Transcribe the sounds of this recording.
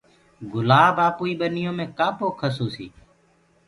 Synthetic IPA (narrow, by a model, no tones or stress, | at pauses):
ɡʊlaːbaːpuːiːɓənɪjõːmẽːkaːpʰoːkʰəsuːsḭː